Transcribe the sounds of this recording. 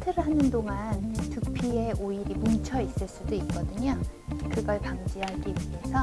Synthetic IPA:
tʰeɾɯɭɦanɯndoŋantupʰieʔoiɾimumt͡ɕʰʌis͈ɯɭs͈udoik̚k͈ʌdɯɲokɯɡʌɭpamd͡ʑiɦaɡibiesʰʌ

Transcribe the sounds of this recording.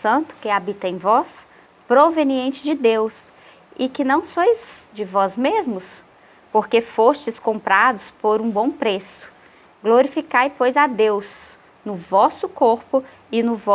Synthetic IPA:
sɐ̃nt̪ʊ̥kɪabit̪ɐẽj̃vɔs | pɾoveniẽnt͡ʃɪzd͡ʒɪd̪ews | ɪkɪnɐ̃w̃sojzd͡ʒɪvɔzmezmʊs | poɾkefost͡ʃɪskõmpɾad̪ʊspoɾũbõpɾesʊ̥ | ɡloɾifikajpojzad̪ews | nʊvɔsʊkoɾpʊ | ɪnʊvɔ

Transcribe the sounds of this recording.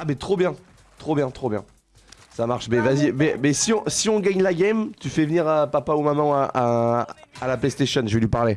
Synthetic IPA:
abɛt̪χobjɛ̃ | t̪χobjɛ̃t̪χobjɛ̰̃ | samaʁʃmɛvazimɛmɛsiɔ̃siɔ̃ɡaɲlaɡʲɛmt̪yfɛvniʁəpapaumamɑ̃ʔa | alaplest̪eʃɔnʒəvelɥipaʁle

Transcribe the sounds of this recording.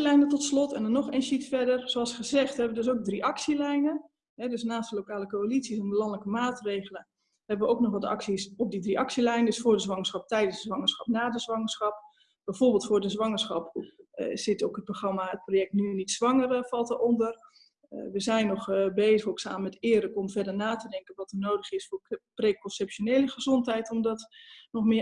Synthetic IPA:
lɛjnətɔtslɔtɛ̰ndɔnɔxeːnsitfɛdərsoɑlˠsχəzɛxtɛbəʋədøs̬ok̚driʔɑksilɛjnə | ɦɛdøsnaːstəlokaːləkoalitt͡sisɔnbəlɑŋlɛjkəmaːtreːɣələ | hɛbəʋəowknɔχʋɔtɑ̰ksisɔp̚didriʔɑksiəlɛjnədøsfʊːrdəzʋɑŋəsχɑp̚tɛjdəndəzʋɑŋəɹsχxɑpnaːdəzʋɑŋəɹsxɑp̚ | b̥ɛjvorbɪlˠtfʊːɹdəzʋɑŋəɹsχɑp | z̥ɪtowkət̚proχrɑmaət̚projɛk̚tnynitsʋɑŋərfɑlˠtərɔndər | ʋəzɛjnɔχbeːzəxoksa̰ːməmɛtɪːərləkɔmvɛrdərnaːtədɛŋkənʋɔtənoːdəχɪsfʊːrpreːkɔnsɛpʃoneːləχəzɔntɦɛjtɔmdɔtnɔχmɪə

